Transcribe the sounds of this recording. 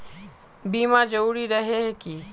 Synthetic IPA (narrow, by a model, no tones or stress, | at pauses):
biːmad͡ʒɐɾuːɾiɾɐɦeɦɛki